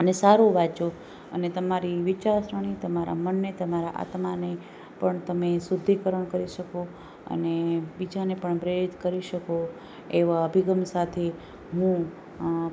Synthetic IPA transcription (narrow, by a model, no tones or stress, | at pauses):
ənesaɾũʋat͡ʃo | ə̰net̪əmaɾiʋɪt͡ʃaɾsɾəɽ̃it̪əmaɾa̰mənːet̪əmaɾaʔa̰t̪mane | pəɳt̪əmesʊd̪ʱːikəɾəɳkəɾiʃəko | ə̰nebid͡ʒanepəɳpɾeɾit̪kəɾiʃəko | eʋaəbʱiɡəmsat̪ʰe | ɦũ